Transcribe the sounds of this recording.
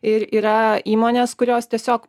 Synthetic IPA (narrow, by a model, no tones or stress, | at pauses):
ɪɾiːɾɐiːmoːnʲeːskʊɾʲoːst̪ʲiɛsʲoːk